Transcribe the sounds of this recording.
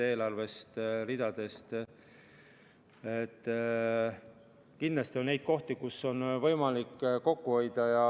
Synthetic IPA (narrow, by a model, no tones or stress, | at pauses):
eːlɑrve̞st̪rid̪̥ɑd̪̥e̞st̪ | et̪ː | kind̪lɑst̪io̞nnejd̪̥̚ko̞ht̪ikusːo̞nvɤ̞jmɑlikːko̞kːuo̞jd̪̥ɑjɑ